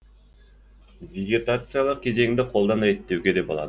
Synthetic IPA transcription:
vʲeɡʲet̪at̪sɨjalˠɯq̚kʲe̞zeŋd̪eqʰo̞lˠd̪ɑnɑjet̪ːewɡe̞d̪e̞pbɑ̰lˠɑ̰d̪

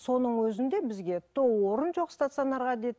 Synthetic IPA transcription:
so̞nəɴwɵzɪnd̪e̞bɪzɡʲe̞t̪ʰowoɾənʒo̞qst̪at̪sɨo̞nɑɾʁɑd̪ed̪

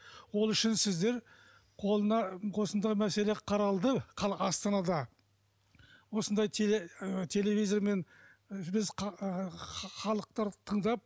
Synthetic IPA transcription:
wo̞lˠʏʃɪnsɪzd̪e̞ɾ | qʰolˠənɑwo̞sənd̪ɑjmæse̞le̞qʰɑɾɑlˠd̪əqʰɑɑst̪ɑnɑd̪ɑ | wo̞sənd̪ɑjt̪ʰeet̪ʲʰe̞le̞vʲijzoɾme̞n | bɪz | χɑlˠəq̚t̪ɑɾt̪ʰəɴd̪ɑp̚

